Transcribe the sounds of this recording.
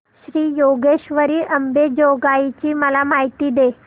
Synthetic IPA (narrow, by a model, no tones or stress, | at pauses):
ɕɾiːjoɡeɕʋəɾiːʔəmbed͡ʑoɡait͡ɕiːməlamaɦit̪iːd̪e